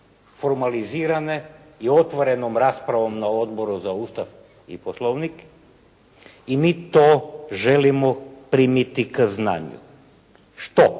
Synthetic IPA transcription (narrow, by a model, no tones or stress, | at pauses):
foɾmaliziːɾaneio̞t̪ʋoɾe̞nomɾaspɾaʋo̞mnao̞d̪bo̞ɾuzauːst̪af | ḭposlˠoʋnik | imiːt̪oːʒe̞limopɾiːmit̪ikzna̰ːɲṵ | ʃt̪o